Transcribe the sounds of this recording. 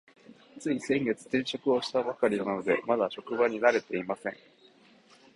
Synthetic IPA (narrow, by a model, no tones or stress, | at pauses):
t͡sɨisẽ̞ŋɡe̞t͡sɨ̥t̪ẽ̞ɰ̃ɕo̞kɯ̟o̞ɕi̥t̪abakaɾʲinano̞d̪e̞mad̪aɕo̞kɯ̟baɲ̟inaɾe̞t̪e̞imasẽ̞ŋ